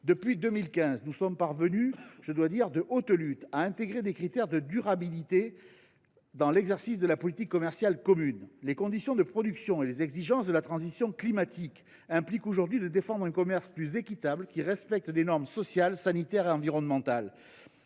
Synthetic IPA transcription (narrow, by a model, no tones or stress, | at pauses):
d̪əpɥid̪əmilkʲɛ̃znusɔmpaʁvənyʒ̥əd̪wad̪iʁd̪əʔot̪lyt̪aɛ̃t̪eɡʁed̪ekχit̪ɛʁd̪əd̪yʁabilit̪e | d̪ɑ̃lɛɡzɛʁsisd̪əlapɔlit̪ikːɔmɛʁsjalkɔmynlekɔ̃d̪isjɔ̃d̪əpχɔd̪yksjɔ̃elezɛɡziʒɑ̃sd̪əlat̪χɑ̃zisjɔ̃klimat̪ʰik | ɛ̃plikoʒuʁd̪ɥid̪əd̪efɑ̃d̪ʁɛ̃kɔmɛʁsplyzekʲit̪abləkʲiʁɛspɛk̚t̪lenɔʁmsɔsjalsanit̪ɛʁeɑ̃viʁɔnmɑ̃t̪al